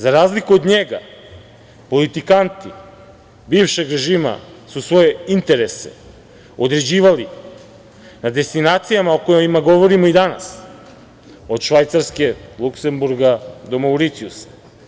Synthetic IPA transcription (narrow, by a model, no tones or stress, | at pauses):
zaɾaːzlikuod̪ɲeɡa̰ | po̞lit̪ikant̪i | biːvʃe̞ɡɾe̞ʒiːma̰susʋo̞je̞int̪e̞ɾe̞se̞̰ | o̞d̪ɾe̞d͡ʑiːʋali | nad̪e̞st̪inaːt̪sijamaokojimaɡo̞ʋo̞ɾimoid̪ana̰s | o̞d̪ʃʋajt̪saɾske̞lukse̞mbuɾɡad̪o̞mawɾit̪siusḁ